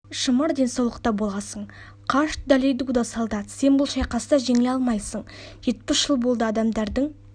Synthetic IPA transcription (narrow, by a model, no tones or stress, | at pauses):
ʃəməɾd̪e̞nsɑwlˠəq̚t̪ɑbo̞lˠɑsəɴ | qʰɑʃt̪̚d̪ɑlejd̪uɡd̪asɑlˠd̪ɑt̪se̞nbʊlˠʃɑjqɑsəd̪ɑʒeŋeɑlˠmɑjsəɴʒ̥e̞t̪̚pɪsʒ̥əlˠbo̞lˠd̪əɑd̪ɑmd̪ɑɾd̪əɴ